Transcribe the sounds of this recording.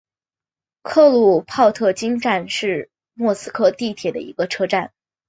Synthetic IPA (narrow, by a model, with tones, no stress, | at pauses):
kʰɤ˥˧lu˥˩pʰɑ˥˧ʊt̪ʰɤ˥˩t͡ɕi˥ŋʈ͡ʂa˥˧nʂɻ̩˥˧ | mwɔ˥˩sɹ̩˥kʰɤ˥˧t̪i˥˩t̪ʰjɛ˨˩d̪ə̰˦ḭ˧˥ɡə˧ʈ͡ʂʰɤ˥ʈ͡ʂa˥˩n